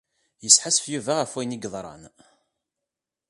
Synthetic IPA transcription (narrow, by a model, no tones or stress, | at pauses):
jəsħasfjuvæʁæfwæjniɡðˤɾˤɑ̰n